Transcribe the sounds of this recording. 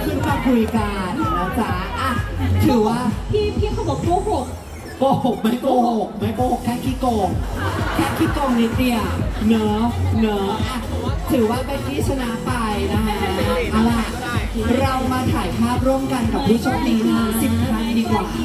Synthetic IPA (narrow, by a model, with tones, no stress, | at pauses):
p̪ʰɯ˧˥˩kaː˧˩kʰu˧jka˧˨n˧na˦˥kʰlaː˦˥ʔa˧˩t̪ʰɯː˨˩˦waː˥˩pʰiː˥˩pʰiː˥˩kʰa˧˥wbɔ˨˩˦kpuː˥˩ɦo˨˩k̚ | poː˧˩ho˨˩k̚ma˦˥˩jpoː˧ho˨˩k̚ma˦˥˩jpoː˧ho˨˩kʰːaː˥˩kʰiː˦˥˩koː˧˩ŋkʰaː˥˩kʰiː˦˥˩koː˧˩ŋni˨˦˥t̪i˧˩ɐnɤː˦˥nɯː˦˥ʔa˧˩ | t̪ʰɯː˨˩˦waː˥˩pe˧nkʰiː˥˩sʰa˧na˦˥pa˧jna˦˥na˦˥ʔa˧˩la˧˩ʔ | ɾa˧wmaː˧t̪ʰaː˨˩˦jpʰaː˥˩p̚ɾu˥˩əmka˧nka˨˩uː˦˥˩t͡ɕʰɔ˦˥niː˦˥maː˧˩si˨˩p̚ːa˧˥˧diː˧kwaː˨˩